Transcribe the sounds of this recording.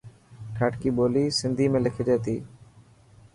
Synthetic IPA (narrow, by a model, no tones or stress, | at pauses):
ʈʰaːʈkiːɓoːliːsɪnd̪ʱiːmẽːlɪkʰed͡ʒeːt̪iː